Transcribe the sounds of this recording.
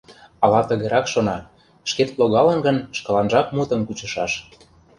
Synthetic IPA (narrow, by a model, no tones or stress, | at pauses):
ɑlɑt̪ə̆ɣeɾɑkʃonɑ | ʃket̪loɣɑlə̆nɡə̆nʃkɤ̆lɑnʒɑk̚mut̪ə̆mkut͡ɕə̆ʃɑʃ